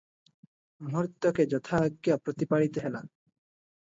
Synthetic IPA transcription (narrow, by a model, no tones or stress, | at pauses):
mʱuɾt̪ːɔked͡ʒɔt̪ʰakːiapɾot̪ipaɽit̪eɦela